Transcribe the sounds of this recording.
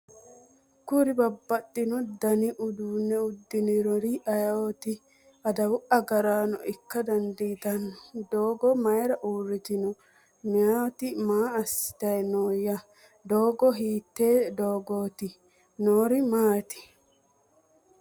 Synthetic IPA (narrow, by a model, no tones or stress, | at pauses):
kʊɾɪbɐbːɐt̪ʼːɪnɔd̪ɐnɪʔʊd̪uːnːɛʊd̪ːɪnɪɾɔɾɪɐjawot̪ɪ | ɐd̪ɐwʊʔɐɡɐɾaːnɔ̰ʔɪkːɐd̪ɐnd̪iːt̪ɐnːɔd̪oːɡɔmɐjɾɐʔuːrːɪt̪ɪnɔ | mɪat̪ɪmaːɐsːɪ̥t̪ɐjnoːjːɐ | d̪oːɡɔɦiːt̪ːeːd̪oːɡoːt̪ɪ | noːɾɪmaːt̪ɪ̥